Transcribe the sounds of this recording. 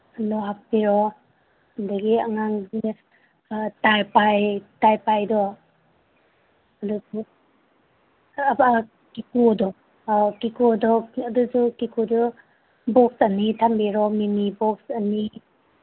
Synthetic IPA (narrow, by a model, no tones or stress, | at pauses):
nɔɦapːiɾɔ | andaɡiaŋaŋ | tajpajtajpajdɔ | ɐdusu | kikudɔ | kikudɔɐduzukikudu | bɔk̚sɐnitʰambiɾɔminibɔksani